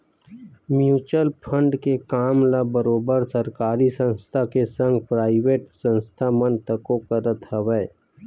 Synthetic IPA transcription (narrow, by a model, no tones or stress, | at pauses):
mjuːt͡ʃəlpʰə̃ɳɖkekaːmlabəɾoːbəɾsɐɾkaːɾisə̃nst̪ʰakesə̃ŋɡpɾaːɪʋeːʈsə̃nst̪ʰamə̃nt̪əkõkəɾət̪həʋɛː